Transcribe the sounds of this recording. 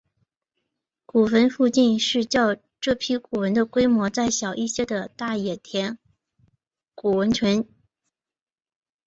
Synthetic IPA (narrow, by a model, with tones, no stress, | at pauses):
ku˨˩fə˧˥nfu˥˧t͡ɕi˥˧nʂɻ̩˥˧t͡ɕjɑ˥˧ʊ | ʈ͡ʂɤ˥˩pʰi˥ku˨˩wə˧˥nd̪ə˧kwe˥ɪmwɔ˧˥t͡sa˥˩ɪɕjɑ˨˩ʊʔi˥˩ɕjɛ˥d̪ə˨t̪a˥˩jɛ˨˩t̪ʰjɛ˧˥n | ku˨˩wə˧˥nt͡ɕʰɥɛ˧˥n